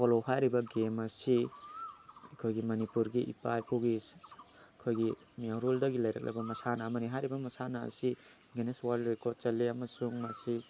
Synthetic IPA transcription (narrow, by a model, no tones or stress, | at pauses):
pʰolohajɾibɐɡemɐsi | ɐkʰojɡimɐnipuɾɡiʔḭpajpʰuɡi | ɐkʰojɡi | miawɾuldɐɡilɐjɾɐ̰k̚lʔɐ̰bɐmɐsanɐːmɐniɦajɾibɐmɐsanɐ̰ːsi | ɡeneswalɾekʰot͡ʃɐlːiɐmɐsuŋmɐsi